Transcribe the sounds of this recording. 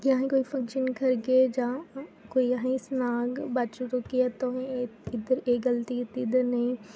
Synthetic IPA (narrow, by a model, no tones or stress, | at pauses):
jãɦẽkoːifɐ̃ŋkʃənkʰɐɾɡed͡ʒãːkoːiaɦĩsnaːɡbaːt͡ʃuɾokijat̪oːɦẽɪd̪əɾeːɡɐlt̪it̪id̪əɾnɐĩ